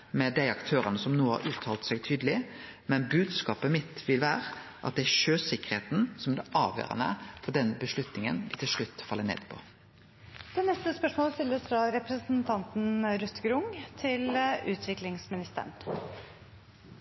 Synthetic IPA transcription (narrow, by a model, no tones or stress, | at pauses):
mɛd̪æɪɑkt̪ʰøːɾənəsɔmnuːəhɑ̰ɾʔʉːt̪ʰɑːlt̪sɛɡt̪ʰyːd̪əlɪ | mɛnbʉːd̪skɑːpəmɪt̪ʋɪlʋæːʁəʔɑ̰t̪̚d̪ɛæʃøːsɪkːə̥ɾheːt̪n̩sɔmd̪ɛʔɑːʋjø̰ːʁə̰nə̰fɔɖɛnbəʂlʉt̪nɪŋə̰nʋɪt̪ɪlʂɭʉt̪ːfɑlːənḛːd̪̥pʰɔ̰ | d̪̥ɛnɛst̪əspœʂmoːləst̪ɪlːəsfɾɑɾɛpɾəsn̩t̪ʰɑnt̪n̩ɾʉt̪ːɡɾʊŋt̪ʰɪlʉ̰ːt̪ʰʋɪklɪŋsmɪnɪst̪ə̰ɳ